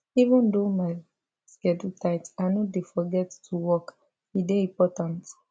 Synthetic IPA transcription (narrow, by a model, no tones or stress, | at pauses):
ivɔ̃ndomaɪ | skɛdutʰaɪtaɪnodefɔɡɛttʰuwɔk | ideĩpɔtãnt